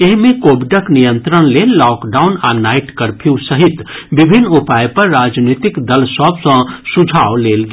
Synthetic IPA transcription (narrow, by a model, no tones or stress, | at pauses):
eɦmẽkobiɖəknijə̃nt̪ɾənlelːɔkɖaʊna̰naiʈkəɾpʰusəɦit̪bibʱinːupajpəɾːaːd͡ʒnit̪ikd̪əlsəbsə̃sud͡ʒʱawlelɡ